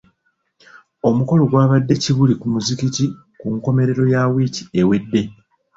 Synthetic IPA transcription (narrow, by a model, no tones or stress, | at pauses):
o̞muko̞lo̞ɡwaːβadːe̞ciβulikumuzikici | kuŋko̞me̞ɾe̞ɾo̞jawiːci̥e̞we̞dːe̞